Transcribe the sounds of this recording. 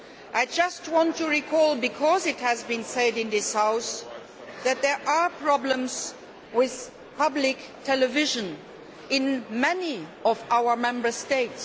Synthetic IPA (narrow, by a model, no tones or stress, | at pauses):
ʔaɪd͡ʒʌst̚wɑ̃ntuɹikʰɔlˠbɨkʰɔzɨt̚hɨzbĩnsɛɾɨ̃nðɪshaʊs | ðɨt̪̚ðɛɹʔapʰɹ̥ɑblə̃mz | wɪð̥ | pʰʌblɪk | tʰɛlɨvɪʒə̃n | ɪ̃nmɛniɔvawə˞mɛ̃mbə˞steɪts